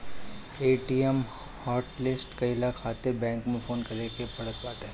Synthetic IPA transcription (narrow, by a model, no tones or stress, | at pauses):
eːʈiem | haːɾʈlɪsʈkɐilakʰːaːt̪ɪɾbɛ̃ːŋkmẽfoːnkɐɾekepɐɽ̤ət̪̚baːʈ̪ɦẽː